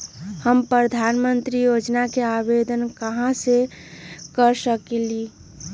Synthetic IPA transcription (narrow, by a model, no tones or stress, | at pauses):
həmpɾəd̪ʱanmənt̪ɾijod͡ʒnakeabed̪ənkəɦãse | kəɾsəkeli